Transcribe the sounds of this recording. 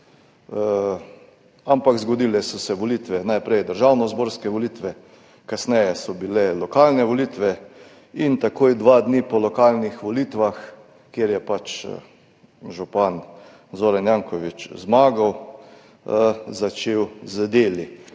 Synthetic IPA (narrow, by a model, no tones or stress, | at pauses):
ampakzɡɔd̪iːlɛsɔsɛʋɔlit̪ʋɛnajpɾɛjd̪əɾʒawnɔzboːɾskɛʋɔlit̪ʋɛ | kasnɛjɛsɔbilɛlɔkalnɛʋɔlit̪ʋɛ | int̪akoːjd̪ʋad̪nipɔlɔkaːlnixʋɔliːt̪ʋax | kjeɾjɛpat͡ʃ | ʒupan | zoːɾanjaŋkɔʋit͡ʃzmaːɡaw | zat͡ʃewzd̪eːli